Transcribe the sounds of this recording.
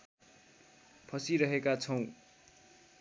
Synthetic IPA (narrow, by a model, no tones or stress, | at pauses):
pʰʌsiɾʌɦekat͡sʰʌw̃